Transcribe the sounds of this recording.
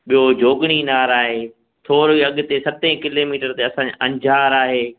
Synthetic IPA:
ɓijod͡ʑoːɡɽ̃inaːɾaːɦeː | t̪ʰoːɾiːɐɠt̪esɐt̪ẽkɪloːmiːʈəɾt̪eɐsãːd͡ʑeʔɐ̃ɲd͡ʑʱaːɾaːɦeː

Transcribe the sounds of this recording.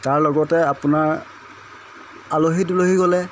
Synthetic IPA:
taɹlɔɡɔtɛapʊnaɹ | aloɦitloɦiɡɔlɛ

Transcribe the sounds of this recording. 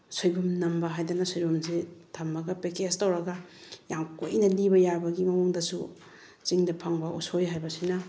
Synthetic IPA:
sojbumnɐmbɐɦajdanɐsojbumsitʰɐmbɐɡɐpekestɐwɾɐɡɐjamkojnɐlibɐjabɐɡimɐmuŋdɐsu | t͡ʃiŋdɐpʰaŋbɐʔusojɦajbɐsinɐ

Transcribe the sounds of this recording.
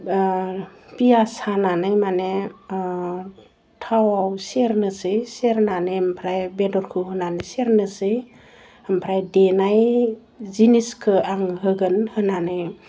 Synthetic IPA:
pijasananɯjmane | tʰawawseɾnɯsɯjseɾnanɯmpʰɾajbedɔɾkʰɯɦɯnanɯseɾnɯsɯj | əmpʰɾajdenaj | ziniskʰɯaŋɦɯɡɯnhɯnanɯj

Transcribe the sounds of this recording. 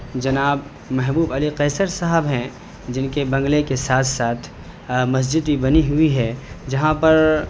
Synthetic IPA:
d͡ʒɐnaːb | mɛɦbuːbɐliqɛːsəɾsaɦəbɦɛ̃ | d͡ʒɪnkebɐ̃ŋɡlekesaːt̪ʰsaːt̪ʰ | mɐs̬d͡ʒɪd̪ibɐniɦʊiɦɛd͡ʒɐɦãpɐɾ

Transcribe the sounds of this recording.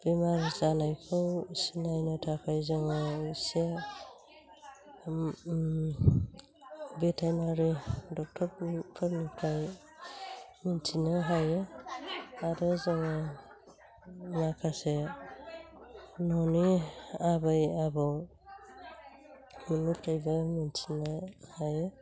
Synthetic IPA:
b̥imaɾzanajpʰɯwsinajnɯtʰapʰajzɔŋɯise | betʰajnaɾidɔk̚tʰɔɾpʰɔɾnipʰɾaj | mintʰinaɦaje | aɾɯzaŋa | nakʰase | nɔniabajabɔw | minupʰɾajbamentʰinahaje

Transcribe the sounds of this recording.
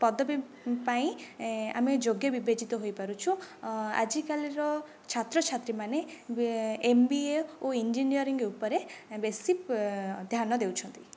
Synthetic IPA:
pɔd̪ʱɔbi | paĩa̰med͡ʒoɡjɔbibed͡ʒit̪ɔɦojpaɾut͡ʃʰua̰d͡ʒikaliɾɔ | t͡ʃʰat̪ɾɔt͡ʃʰat̪ɾimane | embieoind͡ʒinijɔɾiŋɡupɔɾebesipd̪ʱjanɔd̪ewt͡ʃʰɔnt̪i

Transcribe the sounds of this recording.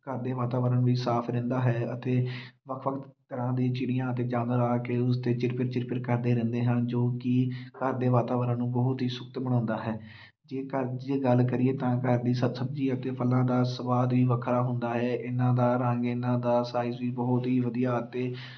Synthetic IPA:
kəɾd̪eːʋaːt̪aːʋəɾəñʋiːsaːpʰɾɛ̃ːnd̪aːɦɛːət̪eːʋəkʰʋəkʰt̪t̪əɾãːd̪iːt͡ʃɪɽɪjãːət̪eːd͡ʒãːd̪ɾaːkeʊst̪eːt͡ʃɪɾpɪɾt͡ʃɪɾpɪʈkəɾd̪eːɾɛ̃ːnd̪eːɦə̃nd͡ʒoːkɪkəɾd̪eːʋaːt̪aːʋəɾə̃ːnũːbəɦʊt̪ɦiːsʊkt̪bəɽãːnd̪aːɦɛː | d͡ʒeːkəɾd͡ʒeːɡəlkəɾiːeːt̪ãːkəɾd̪iːsəbsəb̚d͡ʒiːət̪eːpʰəlːãːd̪aːsəbaːd̪ʋiːʋəkʰɾaːɦʊnd̪aːɦɛːʔɪnãːd̪aːɾəŋɡɪnãːd̪aːsaːɪzʋiːbɔɦʊt̪ɦiːʋəd̪ijaːət̪eː

